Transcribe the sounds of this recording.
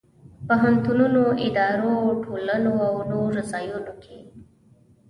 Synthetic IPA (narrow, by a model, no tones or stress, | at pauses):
poɦant̪ununoɪd̪ɑɾoʈʰolənoawnoɾɾasɑjunokʰḛ